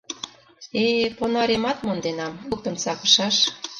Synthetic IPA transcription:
eponɑɾemɑt̪mond̪enɑmuk̚t̪ə̆nt͡sɑkə̥ʃɑʃ

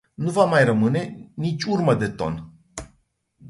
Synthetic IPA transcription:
nuvamajrəmɨne̞nit͡ʃʲurməd̪e̞t̪o̞̰n

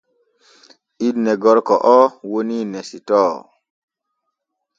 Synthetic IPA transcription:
idnɛɡɔɾkɔʔɔwoninɛsitɔ

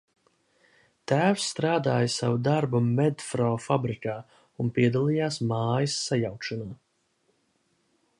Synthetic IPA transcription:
t̪æːwsːt̪ɾaːd̪aːjsavud̪aɾbumɛd̪fɾɔːfabɾikaː | unpiɛd̪alˠijaːsmaːjisːajawkʃanaː

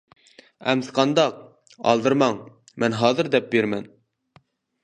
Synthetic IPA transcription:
æ̰msqɑnd̪ɑq̚ | ɑ̰lˠd̪ɨɾmɑŋ | mɛnɦɑːzɨɾd̪ɛp̚beɾmɛn

